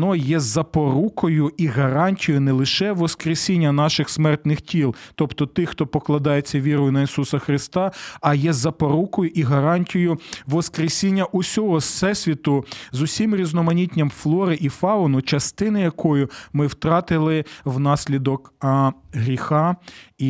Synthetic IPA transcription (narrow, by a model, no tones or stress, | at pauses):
nɔjɛzɐpɔɾukɔjʊiɦɐɾɑnʲtʲijʊnɛlˠɪʃɛʋɔskɾesʲinʲːɐnɑʃɪxsmɛrt̪nɪxtʲilˠt̪ɔpt̪ɔt̪ɪxt̪ɔpɔklˠɐd̪ɑjet͡sʲːɐʋʲiɾɔjʊnɐisusɐxɾɪst̪ɑɐjɛzɐpɔɾukɔjʊʔiɦɐɾɑnʲtʲijʊʋɔskɾesʲinʲːɐʔʊsʲɔɦɔsɛsʲʋʲit̪ʊzʊsʲimɾʲiznɔmɐnʲitʲnʲɐmflˠɔɾɪʔifɑɔnʊt͡ʃɐst̪ɪnɪjɐkʰɔjʊmɪwt̪ɾɑt̪ɪlˠɪwnɑsʲlʲid̪ɔk | ɦɾʲixɑ